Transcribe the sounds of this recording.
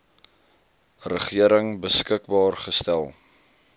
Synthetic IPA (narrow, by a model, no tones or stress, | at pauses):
rəχiəɾəŋbəskək̚bɑːrχəstælˠ